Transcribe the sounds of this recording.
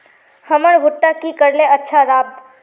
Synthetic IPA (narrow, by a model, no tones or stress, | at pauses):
həməɾbʱʊʈːakikəɾleətːʃʰaɾaːb̪̚